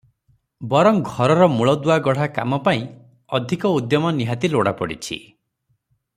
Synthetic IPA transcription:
bɔɾɔmɡʱɔɾɔɾɔmuɭɔd̪uaɡɔɽ̤aka̰mɔpaĩ | ɔd̪ʱikɔud̪jɔmɔniɦat̪iloɽa̰pɔ̰ɽḭt͡ʃʰḭ

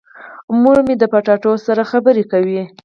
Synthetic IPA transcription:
muɾmed̪əpaʈɑʈosaɾaxabəɾekawi

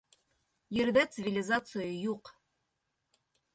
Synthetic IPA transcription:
jĕɾd̪æt̪sɨvʲɪlʲɪzat̪sɨjəjuq

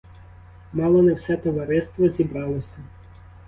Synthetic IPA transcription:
mɑlˠɔnɛwsɛt̪ɔʋɐɾɪst̪ʋɔzʲibɾɑlˠɔsʲɐ

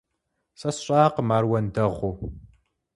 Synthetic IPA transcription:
sɐsɕʼaːqəmaːrwɐndɐʁʷu

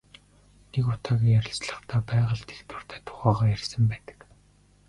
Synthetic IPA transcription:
nekʊt̪ʰaːɣʲiːjæɾʲɪ̆ɮt͡sɮə̆χt̪ʰæːpæːʁə̆ɮt̪ʰext̪wɘ̆r̥t̪ʰæːt̪ʰʊ̥χæːʁɔːjærʲsə̆mpæːt̪ə̥̆k

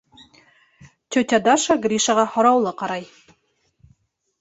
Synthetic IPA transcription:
t̪ʲɵt̪ʲad̪ɑʃaɡɾʲiʃɑʁɑhŏɾɑwlˠɤqɑɾɑj

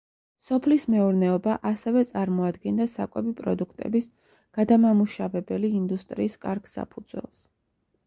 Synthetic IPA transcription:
sɔpʰlismɛuɾnɛɔbaʔasɛvɛt̪sʼaɾmɔad̪ɡɛnd̪asa̰kʼɛbipʼɾɔd̪ukʰt̪ʼɛ̰bis | ɡ̥ad̪amamuʃavɛbɛliːnd̪ust̪ʼɾiːskʼaɾɡsa̰pʰud̪zwɛ̰lˠs

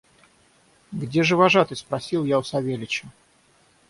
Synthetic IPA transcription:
ɡdʲe̞ʐɨvaʐat̪ɨspɾɐsʲilˠjaʊsɐvʲelʲɪt͡ɕɪ

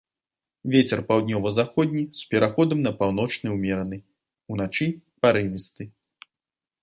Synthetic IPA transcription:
vʲet͡sʲɛrpawd̪ʲnʲɔvɐzaxɔd̪ʲnʲispʲɛɾʔaxɔd̪ɐmnɐpawnɔt͡ʂnɨwmʲɛɾɐnɨ | unat͡ʂɨpaɾɨvʲist̪ɨ

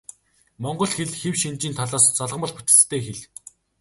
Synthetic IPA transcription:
mɔɴɢɞ̆ɮxeɮxewʃint͡ɕiːnt̪ʰɔɮɔːst͡sɔɮə̆ʁ̆mə̆ɮput̪̆t͡st̪ʰeːxeɮ

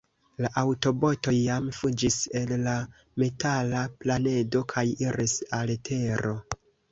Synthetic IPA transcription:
laʔawto̞bo̞to̞jːamfud͡ʒise̞lːa | me̞talaplane̞do̞kʰajiɾisaletʰe̞ɾo

